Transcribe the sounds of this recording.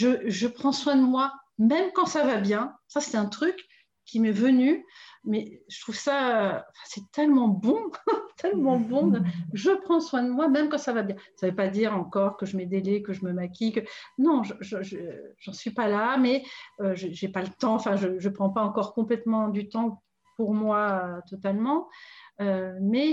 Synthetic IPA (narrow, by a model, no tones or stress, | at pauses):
ʒəʒəpχɑ̃swɛ̃d̪əmwamɛmkɑ̃savabjɛ̃sase̥t̪ɛ̃t̪χyk | kʲːimɛvənymɛʒə̥t̪χuvsaøɑ̃fɛ̃sɛt̪ɛlmɑ̃bɔ̃t̪ʰɛlmɑ̃bɔ̃d̪əʒəpχɑ̃swɛ̃d̪əmwamɛmkɑ̃savabjɛ̃savøpad̪iʁɑ̃kɔʁkəʒəmɛd̪elekəʒəməmakʲikənɔ̃ʒəʒəʒəʒ̥ɑ̃sɥipalamɛøʒəʒepalət̪ɑ̃ɑ̃fɛ̃ʒəʒəpχɑ̃paɑ̃kɔʁkɔ̃plɛt̪mɑ̃d̪yt̪ɑ̃ | puʁmwaøt̪ɔt̪almɑ̃ømɛ